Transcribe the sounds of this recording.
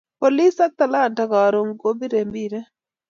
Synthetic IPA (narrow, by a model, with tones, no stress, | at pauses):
po˨li˦sa˦t̪a˨la˦˨nta˨ka˨ɾo˨ŋɡo˦bi˦ɾe˨mbi˦˨ɾɛ˦